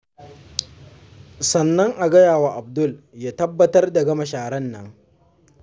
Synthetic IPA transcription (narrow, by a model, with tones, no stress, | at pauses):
sɐ˨nːɐ˦ŋʔa˨ɡɐ˦jaː˨waː˨ʔa˨b̚dʊ˦˨ljaː˦tɐ˦bːɐ˦tɐ˦rda˨ɡɐ˦ma˨ʃaː˨ɽɐ˦nːɐ̰˦ŋ